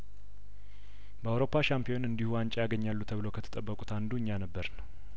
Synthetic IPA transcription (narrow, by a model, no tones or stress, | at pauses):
bəawɾo̞pʰːaʃampʰijo̞nɨnd̪ihuant͡ʃʼajaɡəɲːalːut̪ʰəβɨlokʰət̪ʰə̥t̪ʼəbːəkʼut̪ʰand̪uɲːanəbːəɾnəw